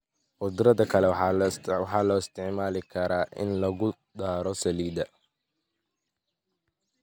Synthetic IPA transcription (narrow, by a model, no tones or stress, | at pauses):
qʊd̪ɾɐðɐkʰɐlɛwħɑlwħɑːlɔːɪst̪ʰɪʕmaːlɪkʰɐɾaːʔɪ̰nlɐɣʊ | d̪aːɾɔsɐliːd̪ɐ